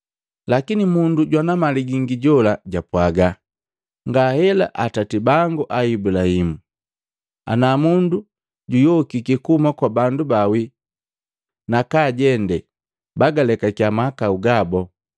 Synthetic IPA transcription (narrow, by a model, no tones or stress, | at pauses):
lakinimunduɟwanamaliɡiŋɡiɟɔlaɟapwaɡa | ŋɡahɛla̰ʔatatibaŋɡuʔaibulahimu | a̰namundu | ɟujɔkikikumakwabandubawi | nakaɟɛndɛ | baɡalɛkakjamakauɡabɔ